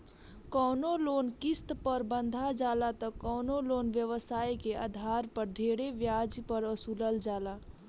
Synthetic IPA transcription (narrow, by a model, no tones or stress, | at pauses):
kɔʊnoloːnkist̪pəɾbənd̪ʱad͡ʒaːlat̪ɔkɔʊnoloːnʋjəʋəsaːikeʔa̰d̪ʱaɾpəɾɖʱeɽeʋjad͡ʒpəɾəsuləld͡ʒaːla